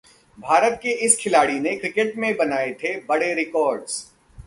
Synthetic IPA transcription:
bʱaːɾət̪̚keɪskʰɪlaːɽinekɾɪkeʈmẽbɐnaːet̪ʰebɐɽeɾɪkɔːɾɖz̥

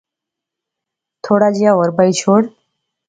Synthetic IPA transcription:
t̪ʰoɽad͡ʑijawəɾbait͡ɕʰoːɽ

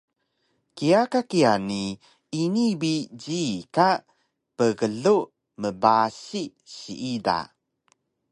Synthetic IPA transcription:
kiakakiani | inibid͡ʑika | pəɣəɮu | məbasi | ɕḭʔida̰

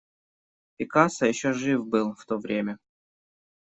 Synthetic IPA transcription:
pʲɪkasəjɪɕːoʐɨfbɨlˠft̪ovɾʲemʲə

